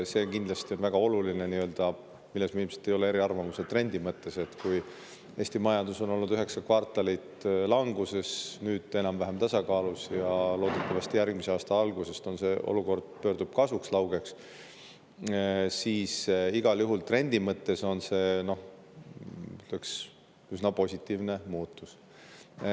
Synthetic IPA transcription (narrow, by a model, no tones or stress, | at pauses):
se̞kind̪lɑst̪ionvæɡ̥ɑo̞lulineniø̞ld̪̥ɑ | milːesmilmse̥t̪ːˑe̞jo̞le̞e̞ɾiɑrvɑmuset̪re̞nʲd̪imɤt̪ːe̞se̞t̪ːkuj | e̞ːst̪imɑjɑnd̪uso̞no̞lnːud̪yɦe̞ksɑkvɑrt̪ːˑɑlit̪lɑŋɡ̥use̞snyːd̪̥e̞nɑmvæɦemt̪ɑsɑkɑːlusjɑlo̞ːd̪̥ut̪ːɑvɑst̪ijærɡ̥mise̞ɑːst̪ɑɑlɡ̥use̞st̪o̞nse̞ʔo̞̰luko̞rd̪̥̚pø̞ːrd̪̥ub̥kɑsukslɑwɡ̥e̞ks | siːsiɡ̥ɑljuɦult̪re̞nʲd̪̥imɤt̪ːe̞so̞nse̞ːno̞h | yt̪leks | ysnɑpo̞sʲit̪ːˑiːvnemuːt̪ːˑus